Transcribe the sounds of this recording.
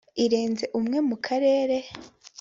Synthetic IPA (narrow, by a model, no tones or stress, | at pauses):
iɾeːnze̞ʔumŋe̞mukʰaɾe̞ːɾe